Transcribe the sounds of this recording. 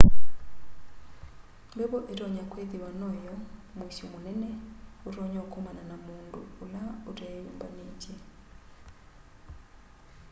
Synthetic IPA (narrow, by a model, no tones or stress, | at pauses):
deβɔʔetɔɲakwet̪iwanɔjɔ | mwisomonɛnɛotɔɲɔokɔmananamuːndṵːlaotajumba̰ned͡ʒɛ